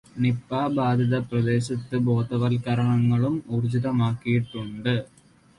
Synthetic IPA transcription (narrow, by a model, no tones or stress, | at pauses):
nipːaːbaːd̪ʱiðɐprɐd̪e̞ːɕɐt̪ːɨbo̞ːd̪ɐʋɐlkɐɾɐɳɐŋːɐɭumurd͡ʑiðɐmaːkːijiʈːuɳɖɨ